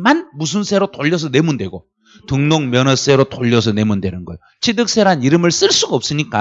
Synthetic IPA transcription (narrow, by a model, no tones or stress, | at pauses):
manmusʰuns͈ʰe̞ɾotoʎːʌs̬ʰʌne̞mundwe̞ɡo | tɯŋnoŋmjʌnʌs͈e̞ɾotoʎːʌs̬ʰʌne̞mundwenɯnɡʌjot͡ɕʰidɯk̚s͈e̞ɾɦaniɾɯmɯɭs͈ɯɭs͈uɡaʌp̚s͈ɯɲik͈a